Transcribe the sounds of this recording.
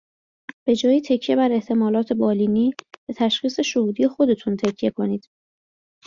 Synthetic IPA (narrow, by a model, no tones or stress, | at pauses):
b̥e̞d͡ʒɒːjit̪ʰecʰːje̞bæɾe̞ht̪ʰe̞mɒːlɒːt̪ʰe̞bɒːliːniːb̥et̪ʰæʃχiːse̞ʃohuːd̪ije̞xo̞d̪e̞t̪ʰunt̪ʰecʰje̞kʰo̞niːd̪̥